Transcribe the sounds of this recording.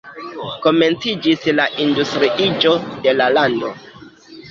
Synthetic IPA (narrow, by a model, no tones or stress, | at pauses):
ko̞me̞nt͡sid͡ʒislaʔindustɾiʔid͡ʒo̞de̞lalando̞